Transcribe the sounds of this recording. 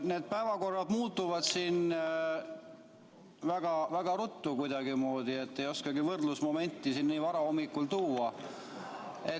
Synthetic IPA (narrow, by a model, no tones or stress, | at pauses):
ne̞ːd̪̥̚pæevɑko̞rːɑd̪muːt̪ːˑuvɑd̪̥siːn | væɡ̥ɑvæɡ̥ɑɾut̪ːukujd̪̥ɑɡ̥imo̞ːd̪̥ie̞t̪ːe̞jo̞skɑɡivɤrd̪lusmo̞me̞nʲt̪ːˑisinːiːvɑɾɑo̞mːikːˑult̪uːɑ | e̞